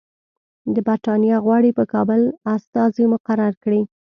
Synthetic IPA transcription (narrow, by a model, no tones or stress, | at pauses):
d̪əbaɾʈɑnjɑɣwɑɽipəkɑbəlast̪ɑzimʊqaɾaɾkɽi